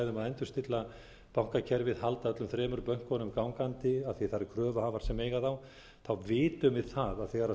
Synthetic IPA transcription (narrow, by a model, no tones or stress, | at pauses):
ðʏmaðɛjnt̪ʏ̥st̪ɪt̪la | pawŋ̥kacʰɛɾvɪðhalt̪aðœt̪lʏmθɾɛːmʏɾpœŋ̥kɔnʏmkawŋkant̪ɪaðθiθaɾɪkʰɾœːvʏhavaɾ̥sɛmeːjɣaθaw | θawvɪːt̪ʏmvɪðθaðaðθɛːɣaɾa